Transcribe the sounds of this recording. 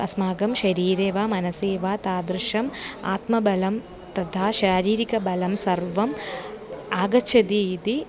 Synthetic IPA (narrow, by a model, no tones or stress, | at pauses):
ɐsmaːɡɐmʃɐɾiːɾeːʋaːmɐnɐseːʋaːt̪aːd̪ɾɨʃɐmaːt̪mɐbɐlɐm | t̪ɐt̪ʰaːʃaːɾiːɾikɐbɐlɐmsɐrʋɐm | aːɡɐt͡ʃʰɐd̪iːt̪i